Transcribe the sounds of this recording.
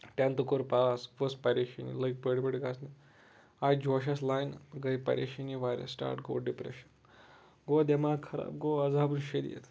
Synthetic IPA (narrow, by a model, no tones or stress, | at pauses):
t̪ʲant̪ukoɾpasʋəspɐɾeʃɐnḭlɐk̚bəɽbeɽɡasni | ajd͡ʒoʃ̬aslajnɡɐjpɐ̰ɾeʃiniʋaɾḛsʈa̰ːɾʈɡo̰ːɖipɾḛʃɐn | ɡod̪emakʰɐɾa̰ːbɡoːɐd͡zabunʃed̪ḭjḛt̪